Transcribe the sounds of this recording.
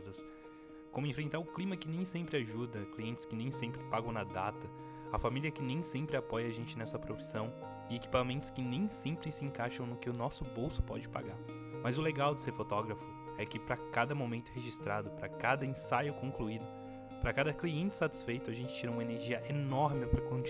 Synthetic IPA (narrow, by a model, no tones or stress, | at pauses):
zɐs | kõmʊẽfɾẽnt̪aɾʊklimɐkɪnẽj̃sẽmpɾɪaʒud̪ɐkliẽnt̪ɪ̥skɪnẽj̃sẽmpɾɪpaɡɐ̃w̃nɐd̪at̪ɐ | ɐfamiliɐkɪnẽj̃sẽmpɾɪapɔjɐaʒẽnt͡ʃɪnɛsɐpɾofi̥sɐ̃w̃ | ɪeki̥pamẽnt̪ʊ̥skɪnẽj̃sẽmpɾɪsɪẽŋkaʃɐ̃w̃nʊkɪʊnɔsʊbowsʊ̥pɔ̰d͡ʒɪpa̰ɡaɾ | mɐzʊleɡawd͡ʒ̪ɪseɾfot̪ɔɡɾɐfʊ | ɛkɪpɾɐkad̪ɐmomẽnt̪ʊheʒist̪ɾad̪ʊpɾɐkad̪ɐĩsajʊkõkluid̪ʊ | pɾɐkad̪ɐkliẽnt͡ʃɪ̥sat͡ʃi̥sfejt̪ʊaʒẽnt͡ʃɪ̥t͡ʃiɾɐũmɐeneɾʒiɐʔenɔɾmɪpɾɐkõ